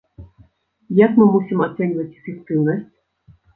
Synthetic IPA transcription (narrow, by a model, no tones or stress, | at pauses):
jakmɨmusʲimat̪sɛnʲvɐt͡sʲɛfʲɪk̚t̪ɨwnɐsʲt͡sʲ